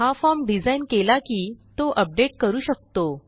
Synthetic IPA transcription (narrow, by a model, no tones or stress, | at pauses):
ɦafɔɾmɖid͡zainkelakiːt̪oʔəp̚ɖeʈ̚kəɾuːɕək̚t̪o